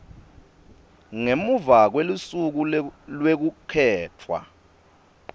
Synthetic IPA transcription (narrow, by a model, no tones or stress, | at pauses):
ŋemuvak̬welusuk̬ulwek̬ukʰɛːt͡fʰwa̰